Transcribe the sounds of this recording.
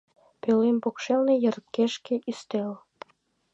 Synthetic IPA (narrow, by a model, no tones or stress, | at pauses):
pelempokʃelnejə̆rkːeʃkeʔyst̪el